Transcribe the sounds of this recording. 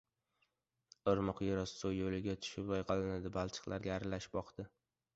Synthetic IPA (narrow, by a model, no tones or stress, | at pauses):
ɨɾmɨqjɪɾɒssojːolɪɡʲat̪ʰʊ̥ʃɪpbajqʰɑlˠɪnad̪ɪbalˠt͡ʃʰɨ̥qlˠaɾɡʲaːɾalaʃɪ̥bɒqd̪ɪ